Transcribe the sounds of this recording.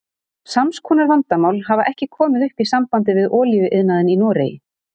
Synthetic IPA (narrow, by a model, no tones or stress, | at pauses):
samskʰuːnaɾvant̪amawlɦavaʔɛhcɪkʰɔːmɪðʏhpisampant̪ɪvɪðɔːlivʏʔɪðnaðɪninɔːɾeːjɪ̰